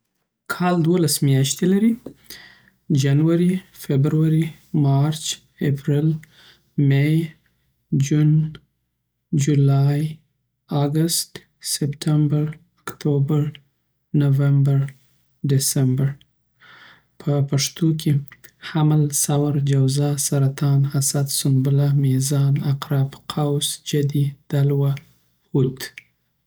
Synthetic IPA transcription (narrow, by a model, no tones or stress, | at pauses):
kʰɑld̪wolasmjɑʃt̪elaɾi | d͡ʒanwaɾifebɾwaɾimɑɾt͡ʃ | epɾɪl | mej | d͡ʒun | d͡ʒulɑj | aɡəst̪ | sɪptʰambaɾ | akt̪ʰobaɾ | navambaɾ | ɖɪsambaɾ | pʰəpaʂt̪okʰehamalsawaɾd͡ʒawzasaɾat̪ʰɑnhasad̪sʊnbʊlamizɑnaqɾabqʰawsd͡ʒad̪id̪̥alwa | hut̪